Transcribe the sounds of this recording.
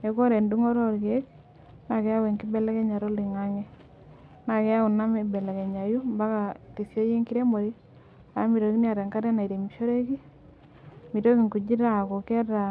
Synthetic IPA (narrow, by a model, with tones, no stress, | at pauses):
e˨kɔ˦ɾɛ˨ndu˦ŋɔ˦ɾɔ˦ɾɡe˦k | na˨kɛ˦a˦wɛ˨ŋki˦bɛ˦lɛ˦kɛ˦ɲa˨ɾɔ˦li˨ŋa˦ŋɛ˦ | na˨kɛ˦a˦u˨na˦mɛ˨bɛ˨lɛ˨kɛ˨ɲa˨ju˦mba˦ka˨ti˨sjo˦je˦ŋki˦ɾe˦mo˨ɾi˦ | a˨˦mi˨ɾo˨ki˦ni˦a˨ɾɛ˨ŋka˦ɾɛ˦na˨i˨ɾe˨mi˨ʃo˦ɾe˦ki˦ | mi˨ɾo˦ki˨ŋku˨d͡ʒi˦ɾa˨ko˨kɛ˦ta˨